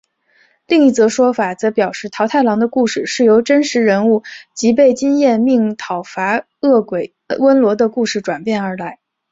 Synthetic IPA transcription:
li˥˧ŋi˥˩t͡sɤ˧˥ʂwɔ˥fa˨˩t͡sɤ˧˥pjɑ˨˩ʊʂɻ̩˥˩t̪ʰɑ˧˥ʊt̪ʰa˥˩ɪlɑ˧˥ŋd̪ə˧ku˥˧ʂɻ̩˥˧˩ʂɻ̩˥˩jo˧˥ʊʈ͡ʂə˥nʂɻ̩˧˥ɻə˧˥nu˥˩t͡ɕi˧˥p̬e˥˩ɪt͡ɕi˥ŋjɛ˥˧nmi˥˩ŋt̪ʰɑ˨˩ʊfa˧˥ | ɤ˥˩kwe˨˩ɪ | wə˥nlwɔ˧˥d̪ə˧ku˥˧ʂɻ̩˥˩ʈ͡ʂwa˨˩npjɛ˥˩nə˞˧˥la˧˥ɪ

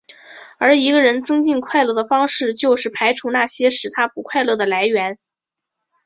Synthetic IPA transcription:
ə˞˧˥i˧˥ɡə˧ɻə˧˥nt͡sɤ˥ŋt͡ɕi˥˧nkʰwa˥˧ɪlɤ˥˩d̪ə˩fɑ˥ŋʂɻ̩˥˩t͡ɕjo˥˧ʊʂɻ̩˥˩pʰa˧˥ɪʈ͡ʂʰu˧˥na˥˩ɕjɛ˥ʂɻ̩˨˩t̪ʰa˥pu˧˥kʰwa˥˧ɪlɤ˥˩d̪ə˩la˧˥ɪɥɛ˧˥n

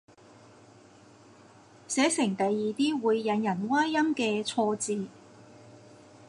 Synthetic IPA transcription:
sɛː˨˥sɪ˨˩ŋt̪ɐ˨jːiː˨t̪iː˥wuː˨˧jːɐ˨˧njɐ˨˩nwaː˥ɐ˥mkɛː˧t͡sʰɔː˧t͡siː˨˧

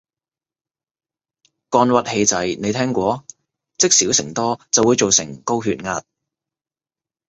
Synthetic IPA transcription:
kɔː˧nwɐ˨t̚he˧jt͡sɐ˨˥jne˨˧jt̪ʰɛː˥ŋkʷɔː˨˧ | t͡sɪ˥k̚siː˨˥wsɪ˨˩ŋt̪ɔː˥t͡sɐ˨wuː˨˧jt͡ʃo˨wsɪ˨˩ŋko˥wɦyː˧t̚ŋaː˧t̚

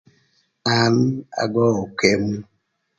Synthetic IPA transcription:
a˨m̩˦a̰˨ɡɔ˦o˨ke˦mu˦

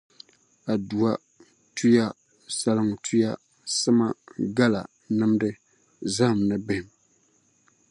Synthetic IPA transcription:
a˨du˨a˦ | tʰu˦ja˦ | sa˦lɨ˦ŋ˨tʰu˦ja˦ | sɨ˦ma˦ɡa˦la˨ | nɨ˦mdɨ˦ | za˦hm˨nɨ˨bɪ˦hɪ˨m

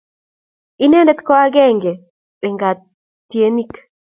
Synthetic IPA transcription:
i˦ne˦ndɛ˦t̪kɔ˦a˦ɡɛ˦ŋɡɛ˨ | ɾɛ˨ŋɡa˨t | tːi˨e˦ni˦k

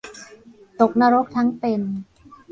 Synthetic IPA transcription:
t̪o˨˩k̚na˦˧˥ɾo˦˥k̚t̪ʰa˦˥ŋt̪e˧n

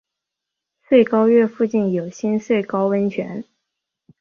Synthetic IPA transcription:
swe˥˩ɪkɑ˥ʊɥɛ˥˧fu˥˧t͡ɕi˥˩njo˨˩ʊɕi˥nswe˥˩ɪkɑ˥ʊwə˥nt͡ɕʰɥɛ̰˧˥n

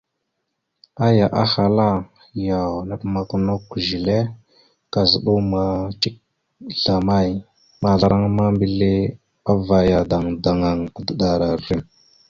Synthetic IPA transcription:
a˦ja˨ʔa˦ha˨la˦ | ja˨wnə˦pma˨ku˦no˦kʒi˨le˦ | ka˨zə˨ɗu˦ma˨t͡ʃi˦k̚ | ɮa˨ma˦j | ma˨ɮa˨ɾa˦ŋma˦mbi˨le˦ | a˦va˨ja˨da˨ŋda˨ŋa˨ŋa˨də˨ɗa˨ɾa˨ɾi˦m

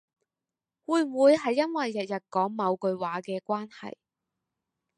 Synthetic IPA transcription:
wuː˨˧jwuː˨˧jɦɐ˨jːɐ˥nwɐ˨jːɐ˨t̚jɐ˨t̚kɔː˨˥ŋmɐ˨˧wkɵ˧ɥwaː˨˥kɛː˧kʷaː˥nhɐ̰˨j

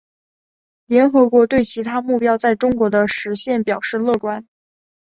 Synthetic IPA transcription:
ljɛ˧˥nxɤ˧˥kwɔ˥˧˥t̪we˥˩ɪt͡ɕʰi˧˥t̪ʰa˥mu˥˩pjɑ˥ʊt͡sa˥˩ɪʈ͡ʂʊ˥ŋkwɔ˧˥d̪ə˧ʂɻ̩˧˥ɕjɛ˥˩npjɑ˨˩ʊʂɻ̩˥˧lɤ˥˩kwa˥n

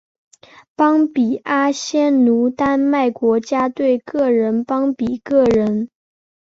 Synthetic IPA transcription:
pɑ˥ŋpi˨˩a˥ɕjɛ˥nnu˧˥t̪a˥nma˥˩ɪkwɔ˧˥t͡ɕja˥t̪we˥˩ɪkɤ˥˩ɻə˧˥npɑ˥ŋpi˨˩kɤ˥˩ɻə˧˥n

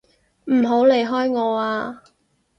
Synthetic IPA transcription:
m̩˨˩ɦo˨˥wle˨jɦɔː˥jŋɔː˨˧aː˧

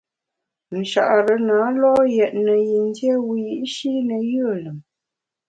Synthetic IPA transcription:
n̩˨ʃa̰˨ʔɾə˨˦naː˨˦lɔ˦jɛ˨t̚nə˨ji˨n˦djɛ˦wi˦˨ji˦ʔʃi˦nə˨jə˦˨lə˨m

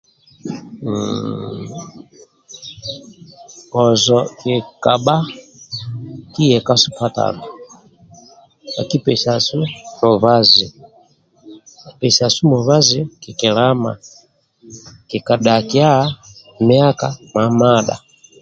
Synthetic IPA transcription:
kɔ˨zɔ˨ki˨ka˨ɓa˦ | ki˦jɛ˨ka˦su˦ka˦ta̰˨nu˨ | a̰˨ki˦pɛ˨ʃa˨su˦mɔ˨βa˦zi˨ | i˨pɛ˨sa˨su˦mɔ˨βa˦zi˨ki˨kɛ˨la˦ma̰˨ | ki˨ka˨ɗa˨ki˦a˦ | mi˦a˦ka˨ma˨ma˦˨ɗa̰˨

